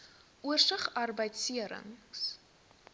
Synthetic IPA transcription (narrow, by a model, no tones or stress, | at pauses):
ʔuərsəχɐrbəjtsiəɾə̰ŋs